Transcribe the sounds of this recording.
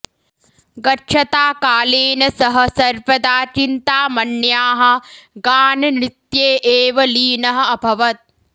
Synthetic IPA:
ɡɐʈːt͡ʃʰɐt̪aːkaːleːnɐsɐɦɐ̆sɐɾpɐd̪aːt͡ʃint̪aːmɐnjaːɦɐ̆ɡaːnɐnit̪jeːʔeːʋɐliːnɐɦɐ̆ɐbʱɐʋɐt̪̚

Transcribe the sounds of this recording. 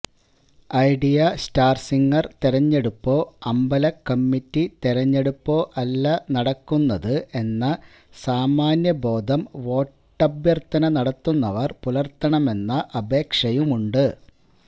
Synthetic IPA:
ɐjɖijɐstaːrsiŋːɐrt̪iɾɐɲːe̞ɽupːo̞ːɐmbɐlɐkːɐmːitːit̪iɾɐɲːe̞ɽupːo̞ːʔɐlːɐnɐɽɐkːunːɐðɨʔe̞nːɐ | saːmaːnjɐbo̞ːd̪ʱɐmʋo̞ːʈːɐbjɐrt̪ːɐnɐnɐɽɐt̪ːunːɐʋɐrpulɐrt̪ːɐɳɐme̞nːɐʔɐbe̞ːkʂɐjumuɳɖɨ

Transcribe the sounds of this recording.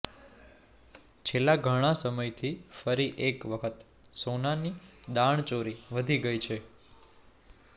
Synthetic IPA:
t͡ʃʰelːaɡʱəɽ̃asəməjt̪ʰifəɾiʔekʋəkʰət̪ | sonanid̪aɳ̃t͡ʃoɾiʋəd̪ʱiɡəjt͡ʃʰe

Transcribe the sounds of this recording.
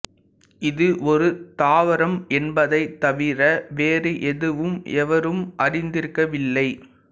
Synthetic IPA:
ɪðɯʔɔɾɯt̪aːʋɐɾɐmɛnbɐðɐɪt̪ːɐʋɪɾɐʋeːɾɯʔɛðɯʋɯmɛʋɐɾɯmʔɐɾɪnd̪ɪɾɯkːɐʋɪlːɐɪ

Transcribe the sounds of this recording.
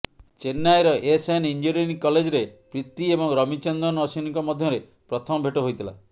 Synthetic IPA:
t͡ʃenːajɾɔʔesanind͡ʒoɾenikɔled͡ʒɔɾepɾit̪ːiebɔŋɾɔmit͡ʃɔnd̪ɔnɔsiniŋkɔmɔd̪ʱjɔɾe | pɾɔt̪ʰɔmɔbʱeʈoɦojt̪ʰila̰

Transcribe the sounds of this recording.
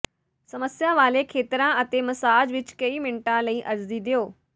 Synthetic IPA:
sɐməsjaʋaːlekʰeːt̪ɪɾãʔɐt̪emɐsaːd͡ʑʋɪt͡ʃkɐimɪɳʈãlɐiʔɐɾzd̪id̪ijoː

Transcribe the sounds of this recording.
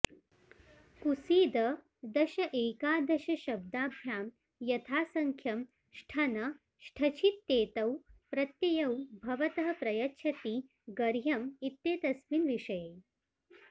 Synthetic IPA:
kusiːd̪ɐ | d̪ɐʃɐʔeːkaːd̪ɐʃɐʃɐb̚d̪aːbʱjaːm | jɐt̪ʰaːsɐŋkʰjɐm | ʃʈʰɐnɐ | ʃʈʰɐt͡ʃʰit̪ːeːt̪ɐwpɾɐt̪jɐjɐwbʱɐʋɐt̪ɐɦɐpɾɐjɐtːʃʰɐt̪i | ɡɐɾjɐmit̪ːeːt̪ɐsminʋiʂɐjeː

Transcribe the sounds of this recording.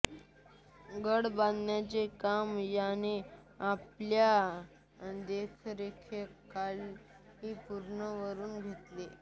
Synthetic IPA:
ɡəɽbãnd̪njat͡sekamjane | aplja | d̪ekʰɾekʰekal | ɦiːpuɾɳəʋəɾuːnɡʱet̪le

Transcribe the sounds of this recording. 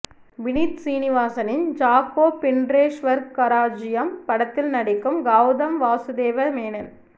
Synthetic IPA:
ʋɪnit̪siːnɪʋaːsɐnɪnd͡ʒaːkːoːpːɪɳɖɾeːʂʋɐɾɡ̚kɐɾaːd͡ʒɪjɐmpɐɽɐt̪ːɪlnɐɽɪkːɯmɡaːʋðɐmʋaːsɯd̪eːʋɐmeːnɐn

